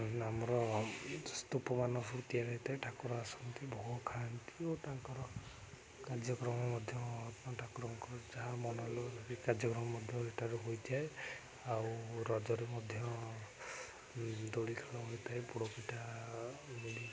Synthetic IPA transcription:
amɔɾɔ | st̪upɔmanɔsuɾut̪ijaɾɔit̪ajʈʰakɔɾɔasɔnt̪ibɔɦukʰant̪i̥ot̪aŋkɔɾɔ | kad͡ʒjɔkɾɔmɔmɔd̪ʱjɔtaʈʰakɾɔŋkɔɾɔd͡ʒaɦamɔnɔlɔbikad͡ʒjɔkɾɔmɔmɔd̪ʱjɔeʈʰaɾuɦojt̪ʰae | awɾɔd͡ʒɔɾemɔd̪ʱjɔ | d̪oɽikʰalɔɦojt̪ʰaepuɽɔpiʈa | mili

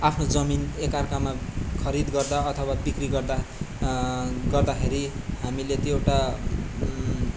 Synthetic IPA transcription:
apʰnod͡zʌminekarkamakʰʌɾid̪ɡʌrd̪aʌt̪ʰʌwabikriɡʌrd̪a | ɡʌrd̪akʰeɾihamilet̪jewʈa

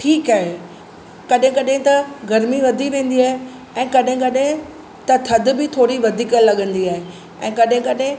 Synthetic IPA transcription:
ʈʰiːkaːɦe | kɐɗɦɪ̃kɐɗɦɪ̃t̪ɐɡɐɾmiʋɐd̪ʱiʋẽːn̆d̪iaːɦe | ɛ̃ːkɐɗɦɪ̃kɐɗɦɪ̃ | t̪ɐt̪ʰɐd̪̆bɪt̪ʰoːɾiʋɐd̪ʱiːkəlɐɠə̃nd̪iaːɦe | ɛ̃ːkɐɗɦɪ̃kɐɗɦɪ̃

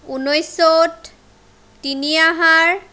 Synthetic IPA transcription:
unojsot | tːiniaɦaɹ

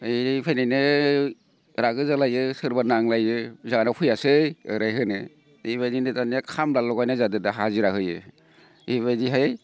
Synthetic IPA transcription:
ɯipʰajnajnɯ | ɾaɡɯzalajɯsɯɾbanaŋlajɯzaanapʰɯjasɯɯɾajɦɯnɯ | ibajninɯtanijakʰamlalɔɡajnɯzadɯdaɦaziɾaɦɯjɯ̰ | iβajdiɦa

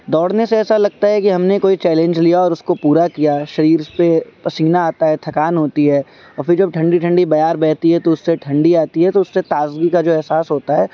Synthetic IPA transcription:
d̪ɔːɽneseɛːsalɐɡ̚t̪aɦɛkiɦɐmnekoːit͡ʃɛːlɛ̃ɲd͡ʒlijaɔːɾʊskopuːɾakijaʃɐɾiːɾpepɐsiːnaaːt̪aɦɛt̪ʰɐkaːnɦoːt̪iɦɛː | ɔːɾfɪɾd͡ʒɐb̚ʈʰɐ̃ɳɖiʈʰɐ̃ɳɖibɐjaːɾbɛːt̪iɦɛt̪oʊsːeʈʰɐ̃ɳɖiaːt̪iɦɛt̪oʊsːet̪aːzɡikad͡ʒoːɛɦsaːsɦoːt̪aɦɛː

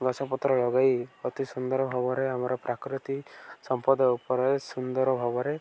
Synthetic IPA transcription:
ɡɔsʰapɔt̪ɾɔlɔɡajɔt̪isund̪ɔɾɔbʱɔbɔɾeamɔɾɔpɾʔakɾit̪isɔmpɔd̪ɔupɔɾɔjsund̪ɔɾɔbʱɔbɔɾe

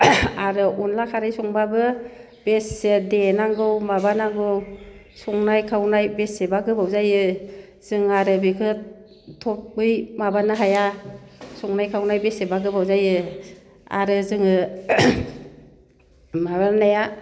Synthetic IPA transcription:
aɾɯʔunlakʰaɾɯjsɔŋbabɯ | b̥esedenaŋɡɯwmabanaŋɡɯw | sɔŋnajkʰawnajbesebaɡɯbawzajɯ | z̥ɯŋaɾɯbikʰɯt̚ | tʰɔp̚bɯjmabanɯɦaja | sɔŋnajkʰawnajbesebaɡɯbawzajɯ | a̰ɾɯzɯŋɯ | maβanɯnaja

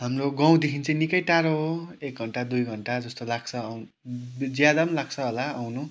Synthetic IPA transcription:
ɦamroɡʌ̃w̃d̪ekʰint͡sʌĩnikʌjʈaɾoɦoek̚ɡʱʌɳʈad̪ujɡʱʌɳʈad͡zʌst̪olak̚t͡sʰʌw | d͡zjad̪ʌmlak̚t͡sʰʌɦolaawnu

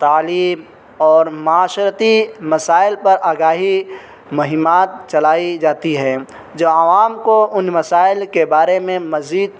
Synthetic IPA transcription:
t̪aːliːm | ɔːɾmaːʃɾət̪imɐsaːɪlpɐɾʔaːɡaːɦi | mɐɦɪmaːt̪̚t͡ʃɐlaːid͡ʒaːt̪iɦɛ̃ː | d͡ʒoɐʋaːmkoʊnmɐsaːɪlkebaːɾemẽmɐziːd̪̚

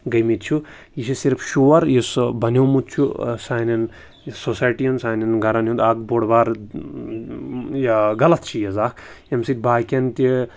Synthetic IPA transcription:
ɡɐjmit̪̚t͡ʃʰu | jiʃʰisiɾfʰʃuʋɐɾjisbɐnʲowmut̪̚t͡ʃʰusaːnʲɐn | sosaːjʈijɐnsaːnɐnɡɐɾɐnɦund̪aːɡ̚boɽʋaːɾ | jɡɐlɐt̪t͡ʃʰijɐzaːkʰemsit̪̚ʲbaːkʲɐnt̪ʲi

